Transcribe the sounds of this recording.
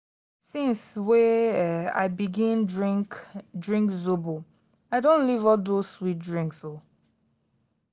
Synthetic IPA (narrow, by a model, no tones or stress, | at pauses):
sĩnsweɛa̰ɪbiɡĩnkdɹĩŋkzobo | aɪdõnlivɔldowit̚dɹĩŋkso